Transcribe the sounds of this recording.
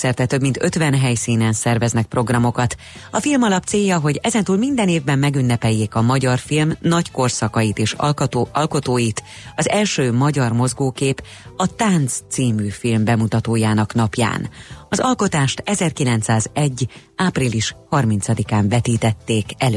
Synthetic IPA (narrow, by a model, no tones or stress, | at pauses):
sɛrt̪ɛt̪ø̞bmint̪ø̞t̪ʋɛnɦɛjsiːnɛnsɛrvɛznɛk̚pro̞ɡrɒmo̞kɒt̪ | ɒfilmɒlɒpt̪seːjːɒɦo̞ɟɛzɛnt̪uːlmind̪ɛneːvbɛmːɛɡynːɛpɛjːeːkɒmɒɟɒrfilmnɒcko̞rsɒkɒjit̪eːʃɒlko̞t̪oːjit̪ɒzɛlʃøːmɒɟɒrmo̞zɡoːkeːp | ɒt̪aːnt̪st̪siːmyːfilmbɛmut̪ɒt̪oːjaːnɒknɒpja̰ːnɒzɒlko̞t̪aːʃt̪ɛzɛrkilɛnt̪saːzɛɟː | aːpriliʃhɒrmint̪sɒd̪ikaːɱvɛt̪iːt̪ɛt̪ːeːkɛl